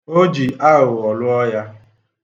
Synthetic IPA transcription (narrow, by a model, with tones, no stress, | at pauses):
o˦d͡ʒi˨a˦ɣʊ˨ɔ˨lʊ˦ɔ˦ja˦